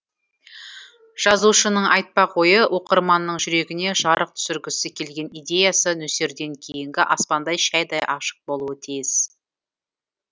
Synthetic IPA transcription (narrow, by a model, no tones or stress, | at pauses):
ʒ̥ɑzuʃənəɴʔɑjt̪̚pɑqʰo̞jəwʔo̞qəɾmɑnːəɴʒʏɾe̞ɡʲɪne̞ʒɑɾəq̚t̪ʰʏ̥sɪɾɡʲɪsɪkʲʰe̞lɡʲe̞nijd̪ʲe̞jɑsənɵse̞ɾd̪e̞ŋkʲʰe̞jɪŋɡʲɪʔɑspɑnd̪ɑjʃæjd̪ɑjʔɑʃə̥q̚bolˠuət̪ʰijɪs